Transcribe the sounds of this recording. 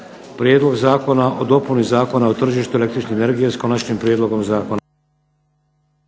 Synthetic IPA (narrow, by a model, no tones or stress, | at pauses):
pɾjed̪lˠo̞ɡzaːko̞naʔo̞d̪o̞punizaːko̞naot̪r̩ʒiːʃt̪uelekt̪ɾit͡ʃneːne̞ɾɡijesko̞nat͡ʃɲimpɾjeːd̪lo̞ɡo̞mzaːko̞na